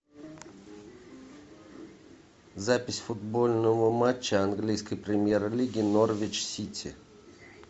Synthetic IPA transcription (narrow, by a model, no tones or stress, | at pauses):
zapʲɪsʲfʊd̪bolʲnəvəmat͡ɕːəanɡlʲijskəjpɾʲɪmʲjerlʲiɡʲɪnorvʲɪt͡ɕsʲitʲʰɪ̰